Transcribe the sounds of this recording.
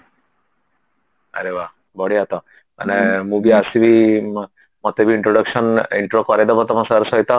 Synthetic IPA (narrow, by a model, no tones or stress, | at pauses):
a̰ɾeʋa | bɔɽiat̪ɔ | a̰nemubiasibʱi | mɔt̪ebʱiːɳʈɾoɽəkʂəniɳʈɾokɔɾed̪ɔbɔt̪ɔmãsaɾsɔjt̪a